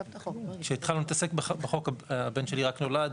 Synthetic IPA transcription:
kʃeit̪χalanit̪ase̞kbbeχo̞kaabenʃe̞liʁakno̞lad

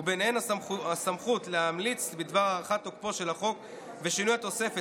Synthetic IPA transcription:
benhenaasamχut̪leɦamlit͡sbid̪vaʁaʁaχat̪ːok̚po̞ʃe̞laχo̞k | veʃinujhat̪o̞se̞fe

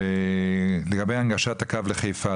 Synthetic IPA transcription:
e | leɡabejaŋɡaʃat̪akavleχejfa

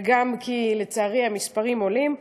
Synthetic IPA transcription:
ɡamkʰilet͡saːʁehamispaʁimo̞lim

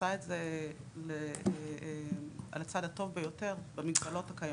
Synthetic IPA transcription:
aetze | le | ʔa̰lat͡sad̪ato̞vbejo̞te̞ʁbemiɡbalo̞thakaja

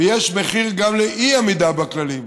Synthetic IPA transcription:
jeʃmeχiʁɡamleʔiamid̪abaklalim

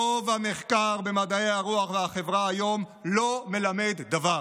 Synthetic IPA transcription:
ovhameχkaʁbemad̪aeaʁuaχveaχevʁaːjo̞mlo̞me̞lamed̪ːava

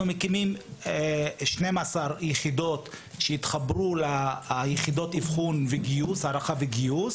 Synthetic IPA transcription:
umekimimeʃne̞masaʁjeχid̪o̞t̪ | ʃeit̪χabɾulajeχido̞t̪ivχunveɡiushaʁaχaveɡius

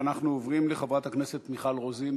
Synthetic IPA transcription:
naχnuovʁimleχavʁat̪haknese̞t̪miχalʁozin

